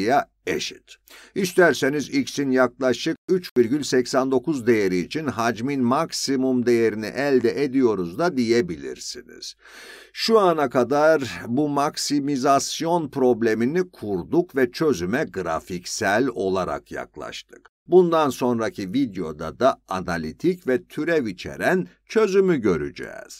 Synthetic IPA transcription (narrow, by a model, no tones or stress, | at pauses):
ja | eʃi̥t̪ | ist̪ʰæɾse̞nizicsinjaklˠaʃɯk̚yt͡ʃviɾɟylʲsɛcsænd̪o̞kuzd̪e̞je̞ɾiːt͡ʃʰinɦad͡ʒminmaksimumd̪e̞je̞ɾinḭʔɛlʲd̪ɛʔed̪ijo̞ɾuzd̪ad̪ije̞bilʲḭɾsinḭz̥ | ʃuanakad̪aɾbumaksimizasjo̞npɾo̞blʲe̞minikʰuɾd̪ukvɛt͡ʃʰø̞zymɛɡɾa̰ficsælʲo̞lˠaɾa̰kʰja̰klˠa̰ʃt̪ʰɯ̥k | bund̪anso̞nɾacʰivid̪ejo̞̰d̪a̰d̪aanalʲit̪ʰicvɛt̪ʰyɾɛvit͡ʃʰe̞̰ɾæn | t͡ʃʰø̞zymyɟø̞ɾy̰d͡ʒɛ̰ːz̥